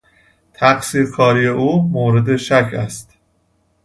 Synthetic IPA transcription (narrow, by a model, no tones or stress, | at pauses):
t̪ʰæχsiːɾkʰɒːɾijeʔuːmoːɾe̞d̪e̞ʃæcʰæst̪